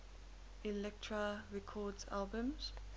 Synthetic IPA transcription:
ilɛk̚tʰɹaɹɛkʰɔdza̰lbə̃mz̥

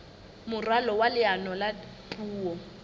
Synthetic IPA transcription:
mʊralɔwalɪanɔla | tʼuːɔ

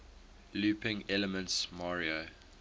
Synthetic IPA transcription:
luːpɪ̃ŋɛləmə̃ntsmaɹio

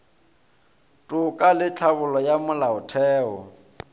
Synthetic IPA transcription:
tʼʊkʼalɪt͡ɬʰabʊlɔjamʊlaʊtʰɛːɔ̰

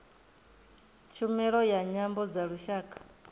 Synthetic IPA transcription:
t͡ʃʰumɛɺɔjaɲambɔd͡zaɺuʃaːkʰʼḁ

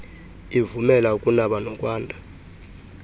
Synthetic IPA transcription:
ivumɛlaukʼunaɓanɔkʼwaːndʱa

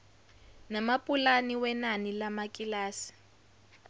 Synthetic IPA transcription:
namapʼulaniwɛnanilamakʼilaːsi̥

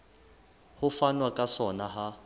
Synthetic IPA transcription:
hʊfanwakʼasɔnaɦa

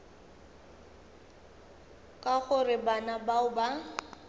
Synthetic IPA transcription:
kʼaɣʊrɪbanabaʊba

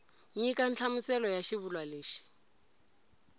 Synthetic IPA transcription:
ɲikʼant͡ɬʰamusɛlɔjaʃiβulwaleːʃi̥

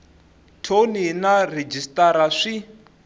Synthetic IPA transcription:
tʰoninared͡ʒistʼaɾaʂi

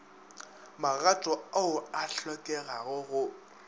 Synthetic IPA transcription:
maɣatʼɔaʊaɬɔkʼɛɣaɣʊɣʊ

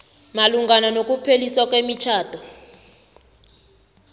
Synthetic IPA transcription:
maluŋɡananok̬ʼupʰeliswakʼwemit͡ʃʰaːtɔ

